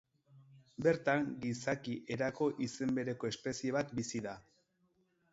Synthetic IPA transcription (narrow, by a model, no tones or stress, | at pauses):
be̞ɾt̪aŋɡisakiʔe̞ɾako̞ʔise̞mbe̞ɾe̞ko̞e̞spe̞sie̞β̞at̪bisiða